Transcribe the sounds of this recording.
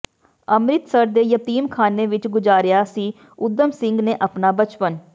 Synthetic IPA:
əmɾɪt̪səɾd̪eːjət̪iːmkʰaːneːʋɪt͡ʃɡʊd͡ʒaːɾɪjaːsiː | ʊd̪əmsɪ̃ŋɡneːʔəpnaːbət͡ʃpən

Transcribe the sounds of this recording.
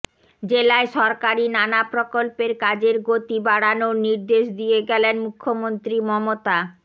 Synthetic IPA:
d͡ʑelaeʃɔɾkaɾinanapɾokolpeɾkad͡ʑeɾɡot̪ibaɽanoniɾd̪eʃd̪ijeɡɛlenmukʰːomont̪ɾimɔmot̪a

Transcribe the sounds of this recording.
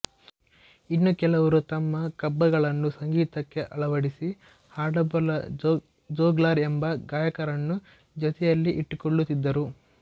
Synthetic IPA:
inːukɛlɐʋɐɾut̪ɐmːɐkɐbːɐɡɐɭɐnːusɐŋɡiːt̪ɐkːe̞ʔɐɭɐʋɐɽisi | haːɖɐbɐlɐ | d͡ʒɔːɡlaːɾembɐɡaːjɐkɐɾɐnːu | d͡ʒɔt̪ɛjɐlːiʔiʈːukoɭːut̪ːid̪ːɐɾu

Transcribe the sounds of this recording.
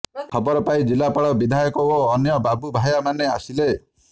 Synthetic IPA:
kʰɔbɔɾɔpaid͡ʒilapaɭɔbid̪ʱajɔkɔoːnjɔbabubʱajamaneasile

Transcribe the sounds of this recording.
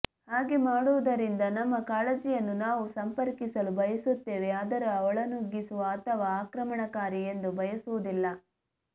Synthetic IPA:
haːɡemaːɽuʋɐd̪ɐɾind̪ɐnɐmːɐkaːɭɐd͡ʒijɐnːunaːʋusɐmpɐɾkisɐlubɐjɐsut̪ːeːʋeaːd̪ɐɾɐɔɭɐnuɡːisuʋɐːt̪ʰɐʋaːkɾɐmɐɳɐkaːɾiend̪ubʱɐjɐsuʋud̪ilːɐ

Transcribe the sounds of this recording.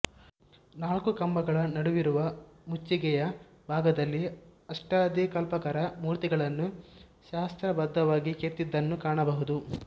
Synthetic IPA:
naːlkukɐmbɐɡɐɭɐnɐɽuʋiɾuʋɐmut͡ʃːiɡɛjɐ | bʱaːɡɐd̪ɐlːiɐʂʈaːd̪ikɐlpɐkɐɾɐmuːɾt̪iɡɐɭɐnːu | ʃaːst̪ɾɐbɐd̪ːɐʋaːɡiket̪ːid̪ːɐnːukaːɳɐbɐɦud̪u

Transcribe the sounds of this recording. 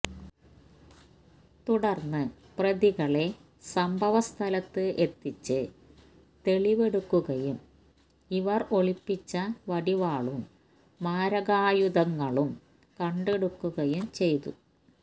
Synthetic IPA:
t̪uɽɐrnːɨ | prɐðiɣɐɭe̞ | sɐmbʱɐʋɐst̪ʰɐlɐt̪ːɨʔet̪ːit͡ɕːɨ | t̪e̞ɭiʋe̞ɽukːuɣɐjum | iʋɐro̞ɭipːit͡ɕːɐʋɐɽiʋaːɭumː | aːɾɐɣaːjud̪ɐŋːɐɭum | kɐɳɖeɽukːuɣɐjumt͡ɕe̞jt̪ṵ

